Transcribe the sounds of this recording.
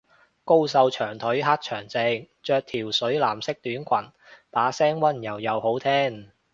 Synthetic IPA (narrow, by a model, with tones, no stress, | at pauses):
ko˥wsɐ˧wt͡ʃʰœː˨˩ŋt̪ʰɵ˨˥ɥɦaː˥t̚t͡ʃʰœː˨˩ŋt͡se˧ | t͡ʃœː˧k̚t̪ʰiː˨˩wsɵ˨˥ɥlaː˨˩msɪ˥k̚t̪yː˨˥nkʷʰɐ˨˩n | t̪aː˨˥sɛː˥ŋwɐ˥njɐ˨˩wjɐ˨˧who˨˥wt̪ʰɛː˥ŋ